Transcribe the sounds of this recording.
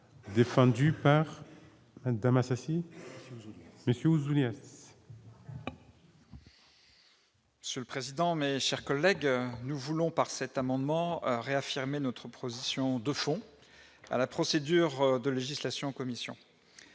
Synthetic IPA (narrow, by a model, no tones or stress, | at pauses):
d̪efɑ̃d̪ypaʁ | mad̪amasasi | məsjøuzulɛ | məsjøləpχezid̪ɑ̃meʃɛʁkɔlːɛɡnuvulɔ̃paʁsɛt̪amɑ̃d̪mɑ̃ʁeafiʁmenɔt̪χəpχozisjɔ̃d̪əfɔ̃ | a̰lapχɔsed̪yʁd̪əleʒislasjɔ̃ɑkɔmisjɔ̰̃